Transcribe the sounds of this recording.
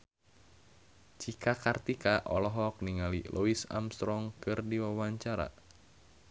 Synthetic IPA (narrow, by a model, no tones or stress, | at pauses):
t͡ʃikakart̪ikaʔɔlɔɦɔk̚niŋalilʔuisa̰mst̪ɾɔŋkɨrdiwawaɲt͡ʃaɾa̰